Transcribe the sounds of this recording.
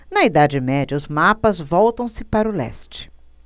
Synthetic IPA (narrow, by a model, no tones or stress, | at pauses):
nɐid̪ad͡ʒɪmɛd͡ʒɐʊzmapɐzvɔwt̪ɐ̃w̃sɪpaɾʊlɛ̰st͡ʃɪ̥